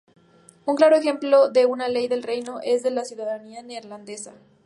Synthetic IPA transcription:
uŋklaɾo̞exe̞mplo̞ðeunale̞jðe̞lre̞jno̞ʔe̞zðe̞lasjuðaðanianeɾland̪e̞sa

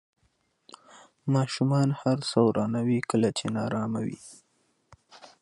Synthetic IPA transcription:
mɑʃumɑnhaɾsawɾɑnawikəlat͡ʃenɑɾɑmawḭ

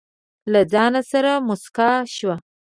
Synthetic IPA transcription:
lad͡zɑnasaɾamʊskɑʃwa

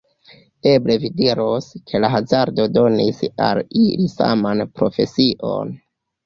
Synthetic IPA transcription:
e̞ble̞vidiɾoskʰe̞laɦazaɾdo̞do̞nisa̰lilisa̰manpɾo̞̰fe̞siʔo̰n

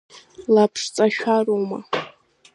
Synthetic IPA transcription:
lapʰʂt͡sʼaʃᶣaroma̰

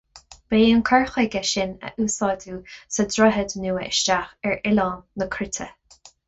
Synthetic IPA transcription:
b̥eːənkʰaɹxɛɡɛʃɪnə̰ʔuːsɑːduːsədɾɔɦəd̪nuːəʔɪ̰ʃt͡ʃaxɛɹɪlɑːnːəkʰɾɪt̪ʰə

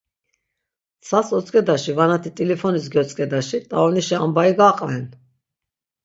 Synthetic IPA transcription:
sʰasɔt͡s̪ʼkʼɛd̪aʃivanat̪ʰit̪ʼilipʰɔnis̬ɡɛɔt͡s̪ʼkʼɛd̪aʃit̪ʼa̰ɔniʃiambaiɡaqʼlɛn

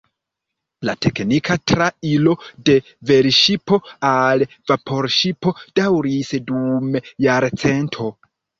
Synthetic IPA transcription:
latʰe̞knikʰatɾailo̞de̞ | ve̞ɾʃipo̞al | vapʰo̞ɾʃipo̞d̥awɾisdumjaɾt͡se̞ntʰo̞

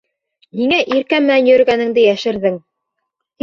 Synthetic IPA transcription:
hiŋæʔiɾkæmːɘ̆nænjɵ̆ɾ̆ɡænɘ̆ŋd̪ɘjæʃɘ̆ɾðɘŋ | h

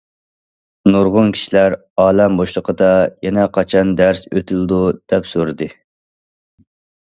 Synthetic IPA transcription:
noɾʁʊnkʲʰi̥ʃilæɾ | ɑːlɛmboʃlˠəqʰəd̪ɑjɛnɛqʰɑt͡ʃʰɑnd̪æɾsøt̪ʰyld̪ud̪̥ɛpsoɾɨd̪ɨ

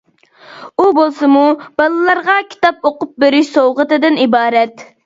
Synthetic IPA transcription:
ubolˠsɨmub̥ɑlˠɨlˠɑɾʁɑkʲʰi̥t̪ɑp̚oqʊp̚beɾɪʃsowʁət̪ɨd̪ɨnibɑːɾɛt̪

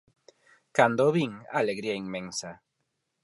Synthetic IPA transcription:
kand̪oβiŋa̰leɣɾiaiŋmẽnsa

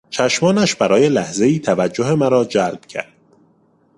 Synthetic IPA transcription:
t͡ʃʰæʃmɒːnæʃbæɾɒːje̞læhze̞iːt̪ʰævæd͡ʒːoɦe̞mæɾɒːd͡ʒælb̥cʰæ̰ɾd̪̥̚

